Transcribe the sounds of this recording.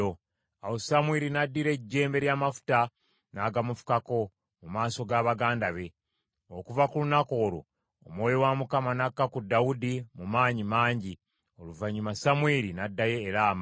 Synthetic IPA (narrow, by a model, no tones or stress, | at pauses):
o | awosamweːɾinadːiɾe̞ɟːe̞ːmbe̞ɾjaːmafu̥ta | naɡamufu̥kako̞ | mumaːso̞ɡaːβaɡaːndaβe̞ | okuvakulunako̞ːɾo̰ː | mwo̞ːjowamukamanakːakudːaudimumaːɲimaːɲɟi | oluvaɲumasamweɾinadːaje̞ːɾaːma